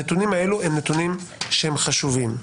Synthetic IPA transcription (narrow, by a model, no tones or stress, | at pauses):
et̪unimaeluemnet̪unimʃehemχaʃuvim